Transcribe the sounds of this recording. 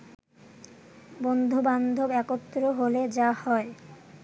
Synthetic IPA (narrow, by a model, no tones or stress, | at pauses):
bond̪ʱuband̪ʱobɛkot̪ːɾoɦoled͡ʑahɔe